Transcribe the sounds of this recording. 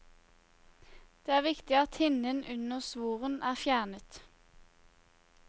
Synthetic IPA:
d̪̥eːæːʁʋɪkt̪ɪɑt̪hɪnənʔʉnəʁsʋuːʁənʔæːʁfjæːʁnət̪

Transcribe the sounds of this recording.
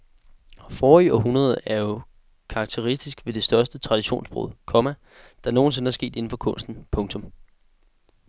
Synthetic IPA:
fɒːiɒ̽ɦunʁɐð̞ˠæɐjo̝ | kʰɑ̈ɡ̥̚t͡sʰeʁisd̥isɡ̥ʋe̝d̥e̝sd̥ɶɐsd̥ət͡sʰʁɑ̈d̥iɕo̝̰ːnsb̥ʁo̰ðˠkʰɒ̽mæ | d̥ɑ̈no̝ːn̩s̬e̝nəæɐsɡ̥e̝̰ːd̥e̝n̩fɒ̽kʰɔ̽n̰sd̥n̩pʰɔ̽ŋt͡sʰɔ̽m

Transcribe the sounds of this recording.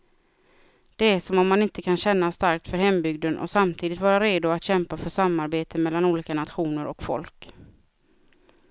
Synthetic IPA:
d̪̥ɛæʂɔmɔmːanɪnt̪əkʰanɕɛnːast̪aɾk̚t̪fœɾhɛmbʏɡ̚d̪ənʔɔ̰samt̪ʰiːd̪ɪt̪vɑːɾaɾeːd̪ʊat̪ɕɛmpafœʂamːaɾbeːt̪ʰəmɛlːanuːliːkanat̪ɧuːnəɾɔkfɔ̰lk

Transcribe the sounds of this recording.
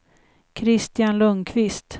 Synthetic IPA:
kʰɾɪst̪janlɵŋːkʰvɪst̪

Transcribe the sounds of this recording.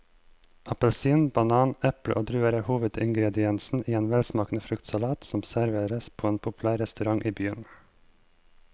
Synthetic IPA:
ʔɑpəlsiːnbɑnɑːnɛpɽə̰ʔoːd̪ɾʉːəɾəhuːʋəd̪ɪŋɡɾɛd̪ɪɛnsn̩ʔiːeːnʋɛlsmɑːkn̩əfɾʉkt̪sɑlɑːt̪sɔmsæɾʋeːɾəspʰoːeːnpʰʊpʉlæːɾɛst̪ʉɾɑŋʔiːbyːən

